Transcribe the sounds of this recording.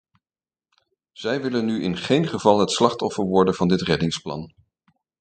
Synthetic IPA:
z̥ɛjʋɪlənːyʔɪ̰nχejnχəvɑlˠɦətslɑχtɔfəɹʋɔɹdəv̥ɑndɪtrɛdɪŋsplɑ̰n

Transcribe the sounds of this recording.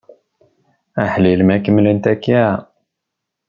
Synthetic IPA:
æħlilmækəmlənt̪ækːa

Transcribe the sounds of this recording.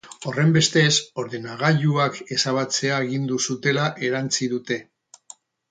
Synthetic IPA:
o̞re̞mbe̞st̪e̞so̞ɾðe̞naɣ̞aʎuake̞saβ̞at͡se̞aeɣind̪usut̪e̞laʔe̞ɾant͡siðut̪e̞

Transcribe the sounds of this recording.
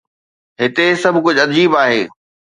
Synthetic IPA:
ɦɪt̪esɐbʱkʊd͡ʑʱʊɐd͡ʑiːbaːɦeː

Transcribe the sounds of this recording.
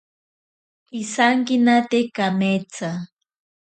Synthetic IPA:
isaŋkinat̪ekamet͡sa

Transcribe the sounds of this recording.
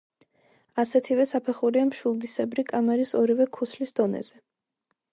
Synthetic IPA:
asɛt̪ʰivɛsapʰɛχuɾiamʃulˠd̪isɛbɾikʼamɛɾisɔɾivɛkʰuslisd̪ɔnɛ̰z̥ɛ

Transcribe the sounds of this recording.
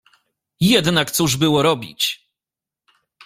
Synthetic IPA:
jɛd̪nakt̪suʐbɘwɔɾɔbʲḭt͡ɕ

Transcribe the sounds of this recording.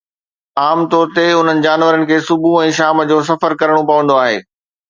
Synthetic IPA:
aːmt̪ɔːɾt̪eʊn̤ənɪ̆d͡ʑaːnʋəɾənɪ̆kʰeːsʊbuɛ̃ːʃaːməd͡ʑoːs̬ɐfəɾkɐɾəɽ̃opɐʋə̃nd̪oaːɦḛː

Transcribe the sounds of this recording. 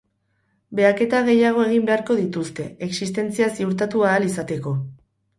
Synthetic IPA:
be̞ake̞t̪aɣ̞e̞jaɣ̞o̞e̞ɣ̞imbe̞aɾko̞ðit̪ust̪e̞e̞ksist̪e̞nt͡siasiuɾt̪̬at̪uaːlisat̪e̞ko̞

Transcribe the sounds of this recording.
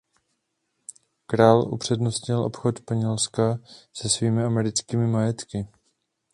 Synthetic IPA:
kɾaːlʔṵpr̝̥ɛdnost̪ɲɪlʔo̞̰pxot̪spaɲɛlskasɛsviːmɪamɛɾɪt͡skiːmɪmajɛt̪kɪ

